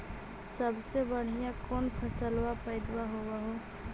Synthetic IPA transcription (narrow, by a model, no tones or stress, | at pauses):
səbʱsebəɽ̤ijãkɔnpʰəsəlwapəɪd̪waɦobaɦo